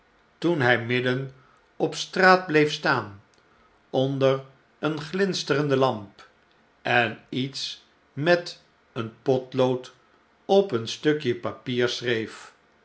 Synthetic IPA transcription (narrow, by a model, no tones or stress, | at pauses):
tunɦɛjmɪdən | ɔpstraːd̚blejfstaːn | ɔndər | ənχlɪnstərəndəlɑmp | ʔɛnits | mɛt | ənpɔtlowt | ɔpənstɵkjəpapiːɹsrejf